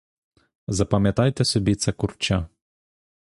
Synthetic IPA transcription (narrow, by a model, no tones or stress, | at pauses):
zɐpɐmʲjɐt̪ɑjt̪ɛsɔbʲit̪sʲɛkʊrt͡ʃa